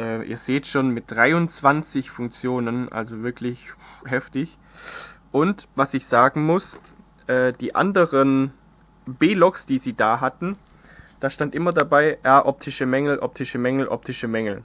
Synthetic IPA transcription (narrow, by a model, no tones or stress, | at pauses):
ʔɛːʔḭːɐzeːtʃoːnmɪt̚d̥ʁaɪʊnt͡sv̥ant͡sɪçfʊŋk̚t͡sjoːnənʔa̰lzovɪɐkʰlɪçɦɛftɪç | ʔʊntvasɪçz̥aːɡŋ̩mʊs | ʔɛːd̥iːʔa̰ndəʁən | beːlɔksd̥iːziːdaːɦatn̩ | d̥aːʃtantʔɪmɐdabaɪʔɛɐʔɔp̚tʰɪʃəmɛŋl̩ʔɔp̚tʰɪʃəmɛŋl̩ʔɔ̰p̚tʰɪʃəmɛŋl̩